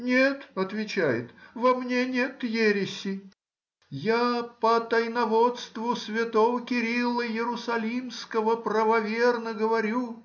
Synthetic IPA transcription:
nʲet̪ɐt̪vʲɪt͡ɕæjɪ̰t̪vɐmnʲenʲe̞t̪jeɾʲɪsʲɪ | japət̪ɐjnɐvot̪st̪vʊsvʲɪt̪ovəkʲɪɾʲilˠəjɪɾʊsɐlʲimskəvəpɾəvɐvʲernəɡəvɐɾʲu

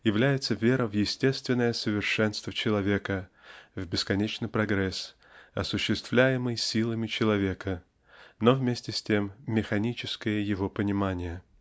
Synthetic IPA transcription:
jɪvlʲæjɪt̪səvʲe̞ɾəvjɪsʲtʲe̞st̪vʲɪnːəjəsəvʲɪrʂɛnst̪vət͡ɕɪlˠɐvʲe̞kəvbʲɪskɐnʲet͡ɕnɨjpɾɐɡɾɛs | ɐsʊɕːɪst̪v̥lʲæjɪmɨjsʲilˠəmʲɪt͡ɕɪlˠɐvʲe̞kə | novmʲesʲtʲɪsʲtʲe̞mːʲɪxɐnʲit͡ɕɪskəjəjɪvo̞pənʲɪmanʲɪjə

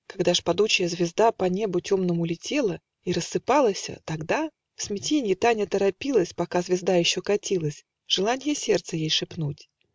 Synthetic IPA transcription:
kɐɡd̪aʂpɐd̪ut͡ɕɪjəzvʲɪzd̪apɐnʲe̞bʊtʲo̞mnəmʊlʲɪtʲe̞lˠə | iɾəsːɨpalˠəsʲə̰t̪ɐɡd̪a | fsmʲɪtʲenʲɪjɪt̪anʲət̪əɾɐpʲilˠəsʲpɐkazvʲɪzd̪ajɪɕːokɐtʲilˠəsʲ | ʐ̥ɨlˠanʲɪjəsʲe̞rt̪sɨjejʂɨpnutʲ

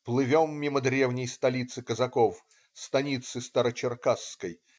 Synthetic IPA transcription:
plˠɨvʲomːʲiməd̪ɾʲevnʲɪjst̪ɐlʲit̪sɨkəzɐkof | st̪ɐnʲit̪sɨst̪ɐɾət͡ɕɪrkaskəj

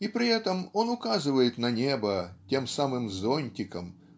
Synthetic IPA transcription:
ipɾʲɪɛt̪əmo̞nʊkazɨvəjɪt̪nɐnʲebətʲemsamɨmzonʲtʲɪkəm

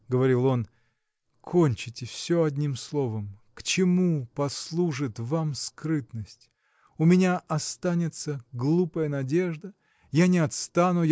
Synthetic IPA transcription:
ɡəvɐɾʲilˠo̞n | kʰo̞nʲt͡ɕɪtʲɪfsʲoɐdʲnʲimslˠo̞vəmkt͡ɕɪmupɐslˠuʐɨt̪vamskɾɨt̪nəsʲtʲ | ʊmʲɪnʲaʔɐst̪anʲɪt̪səɡlˠupəjənɐdʲe̞ʐd̪ə | janʲɪɐt̪st̪anʊj

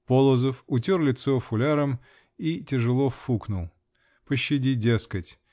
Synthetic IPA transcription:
polˠəzəfʊtʲorlʲɪt̪sofʊlʲaɾəm | itʲɪʐɨlˠofuknʊlˠ | pəɕːɪdʲidʲeskətʲ

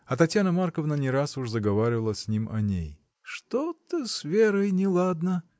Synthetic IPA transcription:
ɐt̪ɐtʲjanəmarkəvnənʲɪɾasuʂzəɡɐvaɾʲɪvəlˠəsʲnʲimɐ̰nʲḛj | ʂt̪ot̪əsvʲeɾəjnʲɪlˠad̪nə

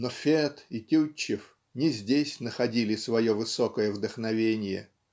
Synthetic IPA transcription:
nofʲet̪ɪtʲut͡ɕːɪf | nʲɪzʲdʲesʲnəxɐdʲilʲɪsvɐjo̞vɨso̞kəjəvd̪əxnɐvʲenʲɪjə̰

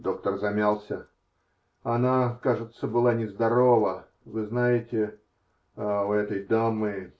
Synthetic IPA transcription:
d̪o̞k̚t̪ərzɐmʲalˠsʲə | ɐnakaʐɨt̪səbɨlˠanʲɪzd̪ɐɾo̞və | vɨznajɪtʲɪ | ʊɛt̪əjd̪amɨ

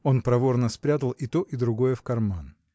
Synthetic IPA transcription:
o̞npɾɐvo̞rnəspɾʲat̪əlˠʔɪt̪o̞ʔɪd̪ɾʊɡo̞jəfkɐrman

